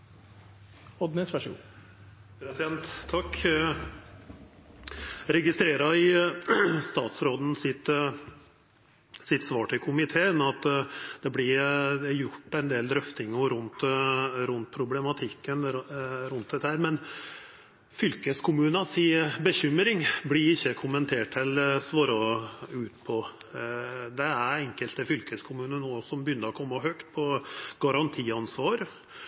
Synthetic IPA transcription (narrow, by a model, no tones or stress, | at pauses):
ɔd̪nɛsʋæʂɡṵ | ɾɛt̪ɪɑnt̪ʰːɑkː | ɾɛɡɪst̪ɾeːɾɑɪ | st̪ɑːt̪sɾoːd̪n̩sɪt̪ | sɪt̪sʋɑːʈʰɪlkʰʊmɪt̪ʰeːənɑt̪ːd̪̥ɛblɪjʊʈːɛnd̪eːld̪ɾœft̪ɪŋʊɾʉnt̪ɾʉnt̪̚pʰɾʊblɛmɑt̪ʰɪkːənɾʉnt̪̚d̪ɛt̪ːəhæːɾmɛn | fʏlkəskʰʊmʉːnɑsiːbəçʏmɾɪŋblɪɾɪçːəkʰʊmənt̪ʰeːʈɛlsʋoːɾɑʉːt̪̚pʰɔ | d̪ɛæɾɛŋkəlt̪əfʏlkəskʰʊmʉːnənosɔmbəjʏnːəɾɔkʰɔmːɑɦøkt̪̚pʰɔɡ̥ɑɾɑnt̪ʰiːɑnsʋɑːɾ